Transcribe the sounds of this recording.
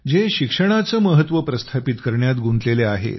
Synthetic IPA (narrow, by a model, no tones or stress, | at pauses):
d͡zeɕikʂəɽ̃at͡səməɦət̪ʋəpɾəst̪ʰapit̪kəɾɳjat̪ɡunt̪leleaɦḛt̪